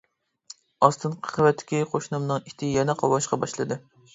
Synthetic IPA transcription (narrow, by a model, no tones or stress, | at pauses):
ɑst̪ɨnqʰə̥χəvɛt̪ʰːɪ̥kʲiqʰoʃnɨmnɨŋit̪ʰɪjɛnɛqʰɑwɑʃqʰɑbɑʃlˠɨd̪ɨ